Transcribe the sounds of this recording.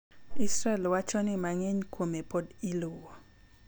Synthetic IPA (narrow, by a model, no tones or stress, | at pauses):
isɾɛlwat͡ʃɔnimaŋɛɲkʰwomepodilowɔ